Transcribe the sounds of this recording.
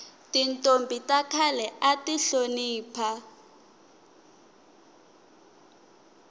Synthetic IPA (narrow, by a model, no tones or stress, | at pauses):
tintʼombʱitʼakʰalɛʔatiɬoniːpʰa